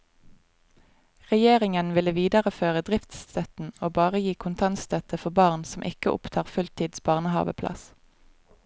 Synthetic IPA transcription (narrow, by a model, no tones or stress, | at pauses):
ʁɛjeːʁɪŋənʋɪləʋiːd̪ɑʁəføːʁəd̪ʁɪft̪st̪ʰœt̪n̩oːbɑːʁəjiːkʰʊnt̪ʰɑnst̪ʰœt̪əfɔbɑːʁnsɔmʔɪkəʔʊ̰pt̪ʰɑːʁfʉlt̪ʰiːd̪sbɑːʁnəhɑ̰ːʋə̰pʰlɑ̰s